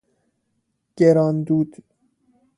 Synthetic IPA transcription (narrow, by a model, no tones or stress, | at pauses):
ɟ̥eɾɒːnd̪uːd̪̥